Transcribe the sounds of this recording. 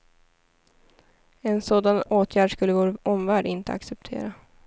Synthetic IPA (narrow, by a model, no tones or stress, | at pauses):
ɛnsoːd̪anoːt̪ʰjæːɖʂkɵlːəvoːɾɔmvæːɖɪnt̪ə̰a̰ksɛp̚t̪ʰḛːɾa